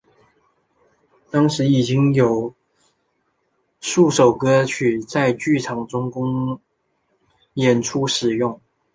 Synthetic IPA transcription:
t̪ɑ˥ŋʂɻ̩˧˥i˨˩t͡ɕi˥ŋjo˨˩ʊ | ʂu˥˩ʂo˨˩ʊkɤ˥t͡ɕʰy˥˩t͡sa˥˧ɪt͡ɕy˥˩ʈ͡ʂʰɑ˨˩ŋʈ͡ʂʊ˥ŋkʊ˥ŋ | jɛ˨˩nʈ͡ʂʰu˥ʂɻ̩˨˩jʊ˥˩ŋ

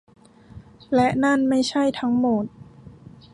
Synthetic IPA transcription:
lɛ˦˥ʔna˥˩nma˥˩jt͡ɕʰa˥˩jt̪ʰa˦˥ŋmo˨˩t̪̚

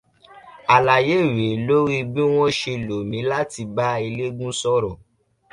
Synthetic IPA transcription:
a˨la˨je˨˦˨we˨˦lo˦ɾi˦bĩ˦w̃ɔ̃˦ʃe˧˨lo˨mĩ˨˦la˦ti˧ba˦e˧le˦ɡũ˦sɔ˦ɾɔ˨

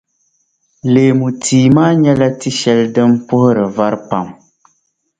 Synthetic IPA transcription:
leː˨mu˨tʰiː˨maː˦ɲɛ˦la˦ti˦ʃɛ˨ldɨ˦mpʊ˦hʊ˦ɾɨ˨va˦ɾpa˨m

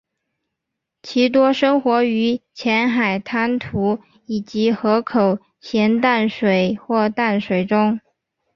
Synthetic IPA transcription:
t͡ɕʰi˧˥t̪̬wɔ˥ʂɤ˥ŋxwɔ˧˥y˧˥t͡ɕʰjɛ˧˥nxa˨˩ɪt̪ʰa˥nt̪ʰu˧˥ | i˨˩t͡ɕi˧˥xɤ˧˥kʰo˨˩ʊ | ɕjɛ˧˥nt̪a˥˩nʂwe˨˩ɪxwɔ˥˧t̪a˥˩nʂwe˨˩ɪʈ͡ʂʊ˥ŋ

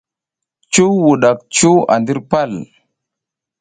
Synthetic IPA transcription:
t͡ʃu˦wwu˨ɗa˨k̚t͡ʃu˦wa̰˨ndi˦ɾpa˦˨l

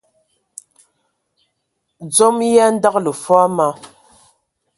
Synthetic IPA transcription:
d͡zɔ˦mja˦n̩˦da˦k̚lə˨fa˦ma˦

